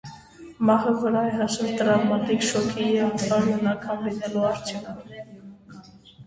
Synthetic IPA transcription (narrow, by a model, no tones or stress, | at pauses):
mɑɦəvəɾɑɛɦɑʃɛlt̪əɾɑvmɑt̪ikʃɔkʰijɛɑɾjɔnɑkʰɑnlinɛluɑɾt͡ʃʰjɔnʰ